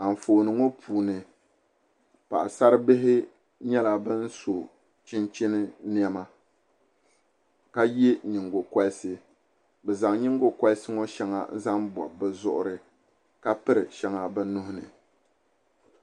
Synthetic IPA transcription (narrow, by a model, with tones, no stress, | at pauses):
a˨m̩˨foː˨nɨ˨ŋɔ˦pʰuː˨nɨ˨ | pa̰˨ʔsa˦ɾɨ˦bɪ˦ɦɪ˦ | ɲɛ˦la˨bɨ˦n˦so˨ | t͡ʃɪ˦nt͡ʃɪ˦nɨ˦ni˦ɛ˦ma˦ | ka˦je˦ɲɪ˨ŋɡo˨kwa˦lɪ˦sɨ˦ | bɛ˨za˨ŋ˦ɲɪ˦ŋɡo˦kwa˦lɪ˦sɨ˦ŋɔ˦ʃɛ˦ŋa̰˨n̩˦za˦mbɔ̰˨bɛ˨zʊ˦ʔʊ̰˦ɾɨ˨ | ka˦pɨ˦ɾɨ˨ʃɛ˦ŋa˨bɨ˦nʊ˦hʊ˦nɨ̰˨